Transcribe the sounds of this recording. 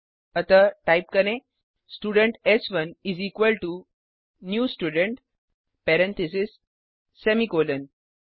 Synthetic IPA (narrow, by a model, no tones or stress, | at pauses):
ət̪əʈajp̚kənẽ | sʈuɽəɳʈesʋənizikʋəlʈu | njuːsʈjuɽəɳʈ | pɛɾɛ̃nt̪ʰisisː | emikolən